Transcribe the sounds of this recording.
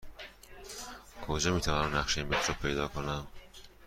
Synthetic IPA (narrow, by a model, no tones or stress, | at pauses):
kʰod͡ʒemiːt̪ʰævɒnamnæχʃeinmbet̪ʰɾopʰe̞jd̪ɒːkʰonæm